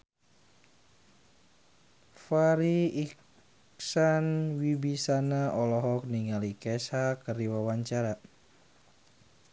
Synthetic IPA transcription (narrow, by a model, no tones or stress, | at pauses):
faɾiik | sanwibisanaɔlɔɦɔk̚niŋalikɛsakərdiwawaɲt͡ʃaɾa